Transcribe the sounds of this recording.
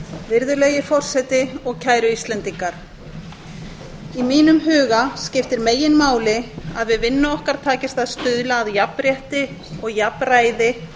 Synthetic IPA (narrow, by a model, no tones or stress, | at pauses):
vɪɾðʏlejɪfɔr̥sɛt̪ɪɔɣcʰaːjɾʏist̪lɛnt̪iŋkaɾ̥ | imiːnʏmɦʏːɣascɪft̪ɪɾmeːjːɪnmaːwlɪaðvɪðvɪnːʏɔhkaɾ̥t̪ʰaːcɪst̪aðst̪ʏðlaːðjapɾjɛht̪ɪɔɣjapraːjðɪ